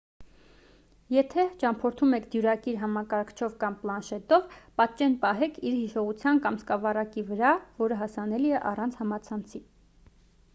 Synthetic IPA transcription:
jɛt̪ʰɛt͡ʃɑmpʰɔɾt̪ʰumɛkʰd̪juɾɑkiɾɦɑmɑkɑɾkʰt͡ʃʰɔvkɑmplɑnʃɛt̪ɔvpɑt̪̚t͡ʃɛnpɑɦɛkʰiɾhiʃɔʁut͡sʰjɑnkɑmskɑvɑrɑkivəɾɑvɔɾəɦɑsɑnɛliɛʔɑrɑnt͡sʰhɑmɑt͡sʰɑnt͡sʰi

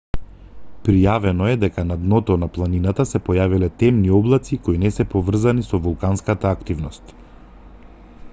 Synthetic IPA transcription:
pɾijavɛnɔɛd̪ɛkanad̪nɔt̪ɔnaplˠaninat̪asɛpɔjavilɛt̪ɛmniɔblˠat̪sikoinɛsɛpɔvr̩zanisɔvulˠkanskat̪aːkt̪ivnɔst̪

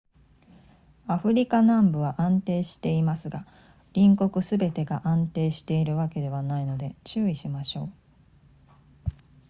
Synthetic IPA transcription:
aɸɯ̟ɾʲikanãmbɯ̟β̞aʔãnt̪e̞ːɕi̥t̪e̞imasɨɡa | ɾʲĩŋko̞kɯ̟sɨbe̞t̪e̞ɡaʔãnt̪e̞ːɕi̥t̪e̞iɾɯ̟βake̞d̪e̞β̞anaino̞d̪e̞t͡ɕɨːiɕimaɕo̞ː

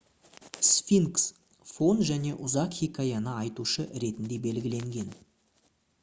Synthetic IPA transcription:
sfʲiŋks | fo̞nʒæne̞ʔʊzɑqχikʰajɑnəɑjt̪uʃəɾe̞t̪ɪnd̪e̞be̞lɡʲɪle̞ŋɡʲe̞n

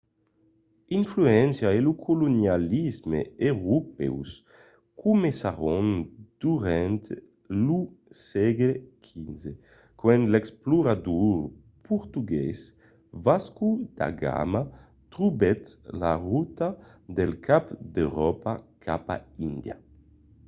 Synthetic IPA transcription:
iɱfluɛnsjaelukʰolonjalizmeeɾupɛ̰ws | kʰumesaʁond̪̥uɾɛnt̪ | lusɛɡlekʰinze | kwɛnlɛkspluɾad̪uɾ | pʰuɾt̪uɡɛs | vaskud̪a̰ɡa̰ma | t̪ɾubɛt̪la̰ʁut̪ad̪elkapd̪ewɾɔpakʰapa̰ind̪ja̰

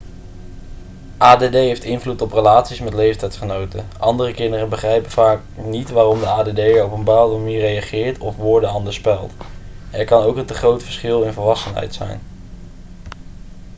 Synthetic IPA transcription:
ʔaːdedejɦejftɪnvlutɔprəlaːtsismɛtlejftɛjtsχənowtə̰ʔɑ̰ndərəkɪndərənbəχrɛjpəvaːk̚nitʋaːrɔmdəaːdedejəɹɔpənbaːwdəmaniːrejɑχɪːɹtɔfʋʊːɹdəɑndəɹspɛlˠt | ɛɹkɑnowkəntəχrowtfə̥ɹsχɪlˠɪnvəlʋɑsənɦɛ̰jtsɛ̰jn

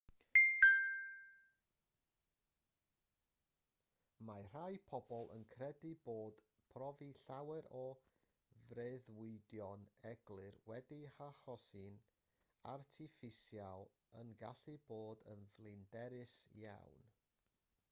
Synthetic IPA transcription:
mar̥ajpʰɔbɔlˠʔə̰nkʰrɛdɨboːd̥ | pʰrɔviɬawɛɾɔ | vreðwɪdjɔnɛɡlˠɨrwɛdihaχɔsɨn | artʰɪfɪsjalˠ | ənɡaɬɨboːdənvlˠɪndɛɾɨsja̰wn

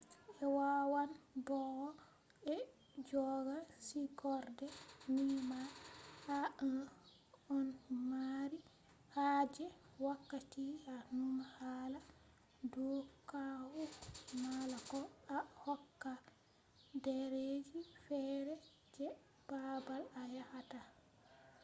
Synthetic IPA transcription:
ʔɛwawanbɔ | ɛ | d͡ʒɔɡasikʰɔɾdɛnimaha | ɔnmaɾi | had͡ʒɛ | wakːatianumahaːla | dɔkawumalakɔahɔkːa | dɛɾed͡ʒifɛɾɛ | d͡ʒɛ | b̥abalajahata

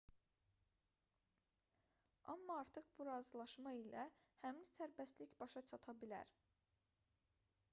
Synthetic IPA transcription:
ɑ̰mːɑɑɾt̪ʰɯχbuɾɑːzɯlˠɑʃmɑilæhæminsæɾbæst̪liçbɑʃɑt͡ʃʰɑt̪ʰɑbilæ̰ɾ

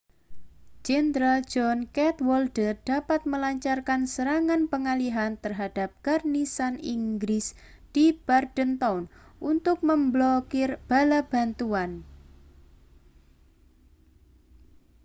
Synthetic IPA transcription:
d͡ʒ̥ɛnd̪ɾald͡ʒɔnkɛt̪wɔldəd̥apat̪̚məlaɲt͡ʃarkansəɾaŋanpəŋaliɦant̪ərɦad̥ap̚karnisanḭŋɡɾɪs | d̥ib̥ardənt̪awnʔunt̪ʊk̚məmblɔkɪrb̥alab̥a̤nt̪uan

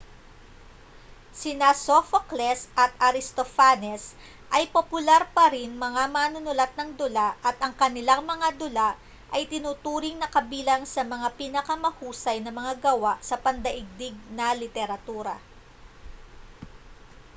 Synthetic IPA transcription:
sɪnasofoklɛsʔɐt̪̚ɐɾɪst̪ofanɛs | ʔɐjpopʊlaɾpɐɾɪnmɐŋamaːnʊnʊlat̪̚nɐŋd̪ʊlaʔɐt̪ʔɐŋkɐnɪlaŋmɐŋad̪ʊlaʔ | ʔɐjt̪ɪnuːt̪uːɾɪŋnɐkɐbiːlɐŋsɐmɐŋapiːnɐkɐmɐhuːsɐjnɐmɐŋaɡɐwaʔsɐpɐnd̪ɐʔɪɡ̚d̪ɪɡ̚nɐlɪt̪ɛɾɐt̪uːɾɐ̰

